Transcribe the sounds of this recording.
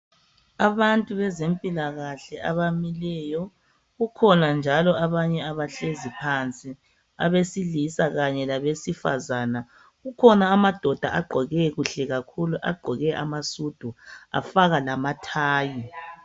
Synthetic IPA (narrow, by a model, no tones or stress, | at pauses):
aβantʼuβɛzempʼilaɣaɬɛaβamilɛjɔ | ɣukʰɔnand͡ʒʱalɔʔaβaɲɛaβaɬezipʰant͡sʼi | a̰βesilisaɣaɲɛlaβesifa̰zaːna | ɣukʰɔnaːmad̥ʱɔd̥ʱaʔaɡ͡ǃʱɔɣɛɣuɬɛɣakʰuluʔa̰ɡ͡ǃʱɔɣɛʔa̰masud̥ʱua̰faɣalamatʰaːji